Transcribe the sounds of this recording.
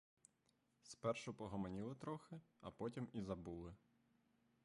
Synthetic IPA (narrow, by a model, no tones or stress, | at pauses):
spɛrʃʊpɔɦɔmɐnʲilˠɪt̪ɾɔxɪɐpɔtʲimizɐbulˠɪ